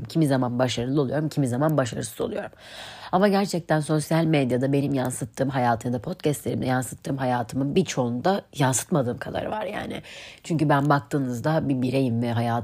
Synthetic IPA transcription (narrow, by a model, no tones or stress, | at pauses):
mcʰimizamanbaʃaɾɯlˠɯo̞lˠujo̞ɾumcʰimizamanbaʃaɾɯ̰sɯ̥zo̞lˠujo̞ɾumamaɟæɾt͡ʃʰɛc̚t̪ʰænso̞sjalʲmed̪jad̪abe̞nimjansɯt̪ʰːɯːmɦajaːt̪ʰɯmjd̪apʰo̞t̪cɛst̪lʲe̞ɾimd̪ɛ̰jansɯ̥t̪ʰːɯːmɦajaːt̪ʰɯmɯnbit͡ʃʰo̞und̪ajansɯ̥t̪mad̪ɯːmkʰad̪a̰ɾɯ̰va̰ɾja̰ːnɪ̰t͡ʃʰyɲcybænbak̚t̪ʰɯːnɯzd̪abibiɾe̞jimvɛɦajaːt